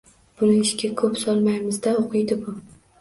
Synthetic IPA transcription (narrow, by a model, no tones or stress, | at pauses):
b̥ʊnɪɪʃɡʲakʰɵpsɒlˠmajmɪzd̪aoqʰɨjd̪ɪbʊ